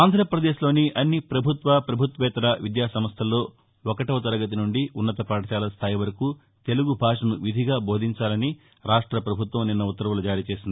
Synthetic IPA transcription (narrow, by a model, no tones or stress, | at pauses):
aːnd̪ʱɾɐːpɾɐd̪eːʃlo̞ːniʔɐnːipɾɐbʱut̪ʋɐpɾɐbʱut̪ʋɛːt̪ɐɾɐʋid̪jaːsɐmɐst̪ʰɐlːo̞ː | ɔkɐʈɐʋɐt̪ɐɾɐɡɐt̪̬inuɳɖiʔunːɐt̪ɐpaːʈɐʃaːlɐst̪ʰaːjiʋɐɾɐku | t̪e̞luɡubʱaːʂɐnuʋid̪ʱiɡaːbo̞ːd̪ʱiɲt͡ʃaːlɐni | ɾaːʂʈɾɐpɾɐbʱut̪ʋɐmninːɐut̪ːɐɾʋulɐd͡ʒaːɾiːt͡ʃe̞ːsind̪i